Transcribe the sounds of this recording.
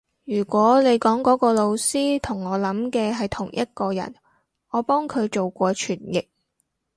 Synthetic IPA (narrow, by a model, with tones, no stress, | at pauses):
jyː˨˩kʷɔː˨˥ne˨˧jkɔː˨˥ŋkɔː˨˥kɔː˧lo˧wsiː˥t̪ʰʊ˨˩ŋɔː˨˧lɐ˨˥mkɛː˧ɦɐ˨jt̪ʰʊ˨˩ŋjʔɐ˥t̚kɔː˧jɐ̰˨˩n | ɔː˨˧pɔː˥ŋkʰɵ˨˧ɥt͡ʃo˨wkʷɔː˧t͡ʃʰyː˨˩njɪ˨k̚